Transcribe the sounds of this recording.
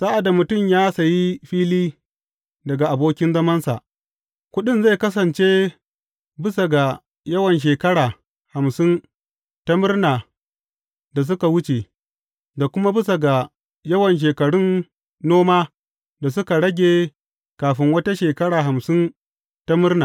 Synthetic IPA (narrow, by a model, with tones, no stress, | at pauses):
sa˦ʔa˨da˨mʊ˨tʊ˦˨mjaː˦sa˨ji˦ɸiː˦liː˦ | dɐ˨ɡa˨ʔa˨boː˦kʲɪ˦nzɐ˦mɐ˦nsa̰˨ʔ | kʷʊ˦ɗɪ˦nza˦˨kɐ˦s̬ɐ˨nt͡ʃeː˦ | bɪ˦sa˨ɡa˨ | jɐ˦wɐ˨nʃ̬eː˨kɐ˦ɽaː˨ | ha˨msɪ˦n | ta˦mɪ˦rnaː˨ | da˨s̬ʊ˦ka˨wʊ˦t͡ʃe˨ | da˨kʷʊ˦ma˦bɪ˦s̬a˨ɡa˨ | jɐ˦wɐ˨nʃ̬eː˨kɐ˨ɽʊ˦nː | oː˦maː˦ | da˨s̬ʊ˦ka˨ɽɐ˦ɡʲeː˨ | kaː˨ɸɪ˦ŋwɐ˦ta˦ʃeː˨kɐ˦ɽaː˨ɦa˨msɪ˦n | ta˦mɪ˦rnaː˨